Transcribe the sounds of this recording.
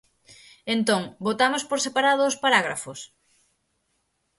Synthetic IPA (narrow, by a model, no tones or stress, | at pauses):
ent̪õŋbot̪amʊspoɾsepaɾaðʊʊspaɾaɣ̞ɾa̰fʊs